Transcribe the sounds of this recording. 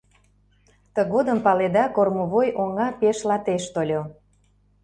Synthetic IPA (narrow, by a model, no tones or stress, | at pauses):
t̪əɣod̪əmpɑled̪ɑkormoβojʔoŋɑpeʃlɑt̪eʃt̪olʲo